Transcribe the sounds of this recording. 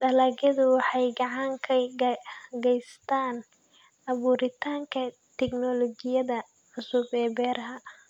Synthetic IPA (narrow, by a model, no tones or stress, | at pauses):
ɖɐlɐɡɐðʊwɑħɑjɡɑʕɑŋkʰɐ | ɡɛjst̪ʰaːn | ɑβuːɾɪt̪ʰaːŋkʰɐ | t̪ʰɛɡnɔlɔɡɪjɐðɐ | ʕʊsʊbɛːbɛːrɦɐ